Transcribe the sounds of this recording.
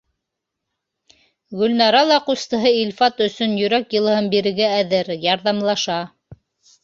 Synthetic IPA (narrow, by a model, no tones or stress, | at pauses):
ɡɵ̆lnɑɾɑlˠɑqust̪ɤ̆ɦɤilfɑt̪ɵ̆sɵnjɵ̆ɾækjɤ̆lˠɤ̆ɦɤmbiɾɘ̆ɡæːðɘɾjɑɾðɑmlˠɑʃɑ